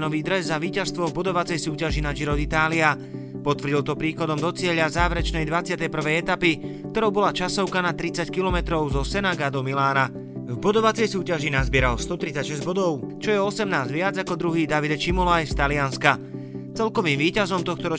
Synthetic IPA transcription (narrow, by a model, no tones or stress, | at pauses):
nɔʋiːd̪ɾɛzːaʋiːcast̪ʋɔvbɔd̪ɔʋat͡sɛjsuːcaʒinaʒiɾɔd̪it̪aːlia | pɔt̪ʋrɟilt̪ɔpɾiːxɔd̪ɔmd̪ɔt͡sɪɛʎazaːʋɾɛt͡ʃnɛjd̪ʋat͡sɪat̪ɛjpr̩ʋɛjɛt̪apikt̪ɔɾɔʊbɔlat͡ʃasɔʊkanat̪ɾit͡sackilɔmɛt̪ɾɔʊzɔsɛnaɡad̪ɔmilaːna | vbɔd̪ɔʋat͡sɛjsuːcaʒinazbɪɛɾalst̪ɔt̪ɾit͡sacʃɛzɟbɔd̪ɔʊt͡ʃɔjɛɔsɛmnaːzɟʋɪad͡zakɔd̪ɾuɦiːd̪aʋid̪ɛt͡ʃimɔlajst̪alianska | t͡sɛlkɔʋiːmʋiːcazɔmt̪ɔxt̪ɔɾɔ